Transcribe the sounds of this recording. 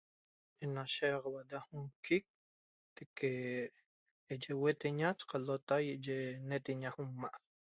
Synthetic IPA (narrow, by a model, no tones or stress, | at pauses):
enaʃeqwaʔd̪ahuŋkik̚ | t̪ekʰe | d͡ʒewet̪eɲat͡ʃqalot̪ajeʔd͡ʒenet̪eɲaxumːaʔ